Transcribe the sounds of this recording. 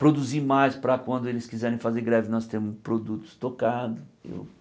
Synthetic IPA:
pɾod̪uziɾmajspɾɐkwɐ̃nd̪ʊelɪskizɛɾẽj̃fazeɾɡɾɛvɪnɔst̪ẽmʊspɾod̪ut̪ʊ̥st̪okad̪ʊḛw

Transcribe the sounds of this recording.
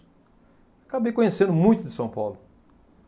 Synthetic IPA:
akabejkõɲesẽnd̪ʊmũj̃t̪ʊd̪ɪsɐ̃w̃pawlʊ

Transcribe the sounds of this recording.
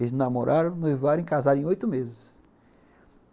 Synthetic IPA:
znamoɾʔaɾɐ̃w̃nevaɾẽkazaɾẽj̃ojt̪ʊmezɪs

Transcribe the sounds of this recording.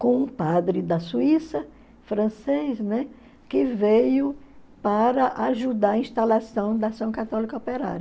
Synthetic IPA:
kõũpad̪ɾɪd̪ɐsuisɐ | fɾɐ̃sejznɛ | kɪvejʊpaɾɐʔaʒud̪aɾɐĩʃt̪alasɐ̃w̃d̪asɐ̃w̃kat̪ɔlikɐɔpeɾa̰ɾ

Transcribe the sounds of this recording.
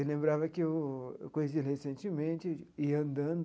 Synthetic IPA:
elẽmbɾavɐkɪewkõjesiɐɦesẽnt͡ʃɪmẽnt͡ʃɪiɐ̃nd̪ɐ̃nd̪

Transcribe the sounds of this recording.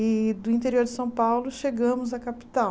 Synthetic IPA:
ɪd̪ʊĩnt̪eɾioɾd͡ʒɪsɐ̃w̃pawlʊʃeɡɐ̃mʊzɐkapi̥t̪a

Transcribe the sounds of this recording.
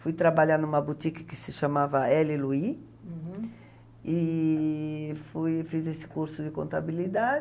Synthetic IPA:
fujt̪ɾabaʎand̪ʊumɐbut̪ikɐ̥kɪsɪʃamavɐɛlɪlui | i | fujfizesɪ̥kuɾsʊd̪ɪkõ̰nt̪abilid̪a

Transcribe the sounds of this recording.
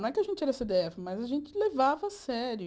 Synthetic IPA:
ɛkɪɐʒẽnt͡ʃɪɛɾɐsed̪eɛfɪmɐjzɐʒẽnt͡ʃɪlevavɐːsɛɾjʊ

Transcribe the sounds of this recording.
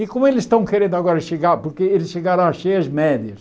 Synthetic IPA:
ɪkõmʊelɪzʃt̪ɐ̃w̃keɾẽnd̪aɣɔɾɐʃeɡaɾpoɾkeelɪsʃeɡaɾɐ̃w̃ɐʃejɐzmɛd̪jɐs

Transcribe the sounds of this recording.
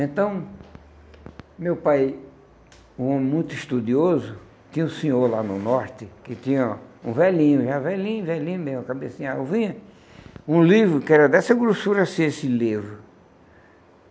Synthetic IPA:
ẽt̪ɐ̃w̃ | mewpaj | uõmɪmũj̃t̪ʊiʃt̪ud̪iozʊ | t̪ĩɲɐ̃ũsĩɲoɾlanʊnɔɾt̪ɪkɪt̪ĩɲɐũvɛlĩɲʊʒavɛlĩɲʊ̃vɛlĩɲʊmeʒm̃kabesĩɲaewvĩɲɐ | ũlivɾʊkɪɛɾɐd̪ɛsɐɡɾusuɾɐsĩesɪlivɾʊ

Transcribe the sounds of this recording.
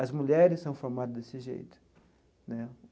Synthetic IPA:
ɐzmuʎɛɾɪssɐ̃w̃foɾmad̪ɐzd̪esɪʒḛjt̪ʊ̥ | nɛ

